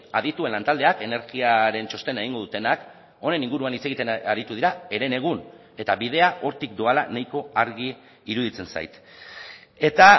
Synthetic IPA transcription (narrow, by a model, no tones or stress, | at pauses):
aðit̪ue̞nlant̪ald̪e̞ake̞ne̞ɾɣiaɾe̞nt͡ʃo̞st̪e̞ne̞ɣ̞iŋɡo̞ðut̪e̞nak | o̞ne̞niŋɡuɾuanit͡se̞ɣit̪eaɾit̪uð̞iɾae̞ɾe̞ne̞ɣ̞un | e̞t̪aβiðe̞aʔo̞ɾt̪ik̚d̪oalanajko̞aɾɣiː | ɾuðit͡se̞nsa̰jt̪ | e̞t̪a